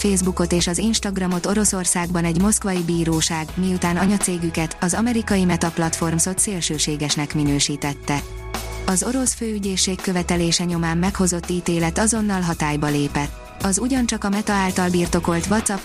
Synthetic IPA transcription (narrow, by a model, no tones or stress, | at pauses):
feːzbuko̞t̪eːʃɒzinʃt̪ɒɡrɒmo̞t̪o̞ɾo̞so̞rsaːɡbɒnɛɟmo̞skʋɒjibiːɾoːʃaːɡmiut̪aːnɒɲɒt̪seːɡykɛt̪ɒzɒmɛɾikɒjimɛt̪ɒplɒt̪fo̞rmso̞t̪seːlʃøːʃeːɡɛʃnɛkminøːʃiːt̪ɛt̪ːɛ | ɒzo̞ɾo̞sføːyɟeːʃːeːkːø̞vɛt̪ɛleːʃɛɲo̞maːmːɛkho̞zo̞t̪ːiːt̪eːlɛt̪ɒzo̞nːɒlɦɒt̪aːjbɒleːpɛt̪ | ɒzuɟɒnt͡ʃɒkɒmɛt̪ɒaːlt̪ɒlbiːrt̪o̞ko̞lt̪ʋɒt̪sɒp